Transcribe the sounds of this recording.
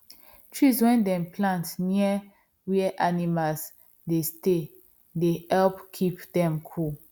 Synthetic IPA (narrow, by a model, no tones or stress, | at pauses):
tʰɹiswɛ̃ndɛ̃mplãntniə | wiəʔanimals | deste | dehɛlpkʰipdɛ̃mkʰul